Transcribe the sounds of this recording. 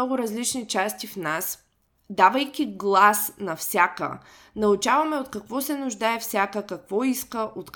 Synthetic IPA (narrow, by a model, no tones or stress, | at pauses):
ɔɡʊɾɐzlit͡ʃnit͡ʃast̪ifnas | d̪avəjkʲiɡlˠasnɐfsʲakə̰ | nɐʊt͡ʃavɐmɛot̪kɐkvɔsɛnʊʒd̪aɛfsʲakəkɐkvɔiskəʔot̪